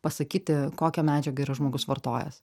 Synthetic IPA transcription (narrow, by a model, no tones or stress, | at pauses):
pɐsɐkʲiːt̪ʲɪkoːkʲɛmʲæːd͡ʒʲɛɡɐiɾɐʒmoːɡʊsʋɐrt̪oːjɛ̰s